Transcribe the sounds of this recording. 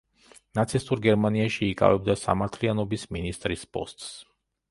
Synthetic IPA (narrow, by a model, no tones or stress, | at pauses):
nat̪sʰist̪ʼuɾɡɛɾmaniaʃiːkʼa̰vɛb̚d̪asa̰maɾt̪ʰlianɔbisminist̪ʼɾispʼɔ̰st̪ʼs